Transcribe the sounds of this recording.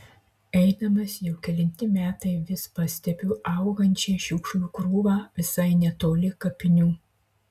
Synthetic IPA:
ɛɪnɐmɐsjɛʊkʲɛlʲɪnʲt̪ʲɪmʲæːt̪ɐɪʋʲɪspɐsʲt̪ʲɛpʲuːʔɐˑʊɡɐnʲt͡ʃʲɛːʃʲʊkʃukɾuːʋɑːʋʲɪsɐɪnʲɛt̪oːlʲɪkɐpʲɪnʲuː

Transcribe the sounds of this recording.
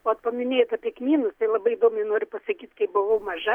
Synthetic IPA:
oɐt̪pɐmʲɪnʲeːjot̪ɐːpʲiɛkmʲiːnʊst̪ɐɪlˠɐbɐɪɪd̪oːmʲɐɪnoːɾʲʊpɐsɐkʲiːt̪kɐɪp̚bʊʋɐʊmɐʒɐ

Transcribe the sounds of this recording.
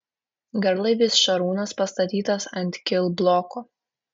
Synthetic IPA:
ɡɐɾlˠɐɪʋʲɪsʃɐɾuːnɐspɐst̪ɐt̪ʲiːt̪ɐsɐnʲt̪ʲkʲɪlˠblˠɔkʊ

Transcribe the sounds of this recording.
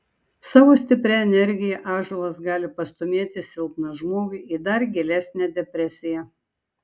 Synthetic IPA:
sɑːʋoːsʲt̪ʲɪpʲɾʲɛɛnʲɛɾʲɡʲɪjɛʔɑːʒʊlˠɐsɡɑːlʲɪpɐst̪ɔmʲeɛt̪ʲɪsʲɪlˠpnɐʒmoːɡʊɪʔid̪ɐɾɡʲɛlʲæsʲnʲæd̪ʲɛpʲɾʲɛsʲɪjɛ

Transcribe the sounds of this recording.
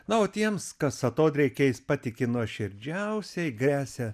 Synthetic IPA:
nɐoːt̪ʲiɛmskɐssɐt̪oːt̪ʲɾʲɛɪkʲeːjɪspɑt̪ʲɪkʲɪnuɔʃʲɪɾʲd͡ʒʲɛʊsʲɛɪɡɾʲæːsʲɛ

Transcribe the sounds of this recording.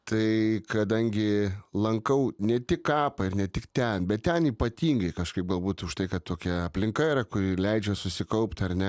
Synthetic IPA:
t̪ʰɐɪkɐd̪ɐŋʲɡʲɪlˠɐŋkɐʊnʲɛt̪ʲɪkkɑːpɐɪɾnʲɛtʲɪkt̪ʲɛnbʲɛt̪t̪ʲɛniːpɐt̪ʲiːŋɡɐɪkɐʃkɐɪp̚ɡɐlˠbuːt̪ʊʃt̪ɐɪkɐt̪t̪ːoːkʲɛɐpʲlʲɪŋkɐiɾɐkʊɾʲɪlʲɛɪd͡ʒʲɛsʊsʲɪkɐʊpt̪ʲɐɾnʲɛ

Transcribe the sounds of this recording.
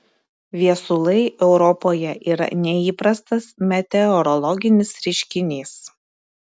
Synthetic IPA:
ʋʲiɛsʊlˠɐɪʔɛʊɾɔpoːjɛʔiːɾɐ̰nʲɛiːpɾɐst̪ɐsmʲɛt̪ʲɛɔɾɔlˠɔɡʲɪnʲɪsɾʲɪʃʲkʲɪnʲeːs

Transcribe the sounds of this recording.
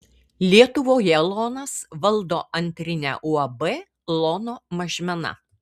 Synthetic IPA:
lʲiɛt̪ʊʋoːjɛlˠɔːnɐsʋɐlˠˑd̪oːʔɐnʲt̪ʲɾʲɪnʲæ̰ːʔuɐbɛ | lˠɔnoːmɐʒʲmʲɛnɐ̰

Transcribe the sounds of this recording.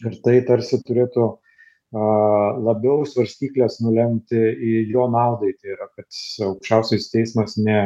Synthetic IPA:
ɪɾt̪ɐɪt̪ɐɾʲsʲɪt̪ʊɾʲeːt̪ʊ | ɐlˠɐbʲɛʊsʋɐɾʲsʲt̪ʲiːklʲeːsnʊlʲɛmʲt̪ʲɪɪjoːnɑʊd̪ɐɪt̪ʲɐiɾɐkɐt̪ɐʊkʃʲt͡ʃʲɛʊsʲɛst̪ʲɛɪsmɐsnʲɛ

